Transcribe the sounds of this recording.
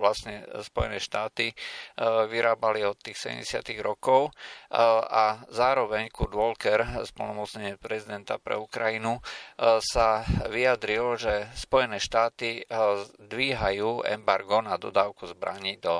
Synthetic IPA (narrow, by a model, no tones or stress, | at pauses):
ʋlasɲɛspɔjɛ̰nɛːʃt̪aːt̪i | ʋiɾʔaːbaliɔt̪ːiːxsɛɟɛ̰mɟɛsɪa̰t̪iɣɾɔkɔʊ | azaːɾɔʋɛɲkurd̪ʋɔlkɛɾspɔlnɔmɔt̪t͡sɲɛɲɪɛpɾɛzid̪ɛnt̪apɾɛ̰ukɾajinusaʋiad̪ɾilʒɛspɔjɛnɛːʃt̪aːt̪i | d̪ʋiːɦajuːɛ̰mbaɾɡɔnad̪ɔd̪aːʊkuzbɾa̰ɲid̪ɔ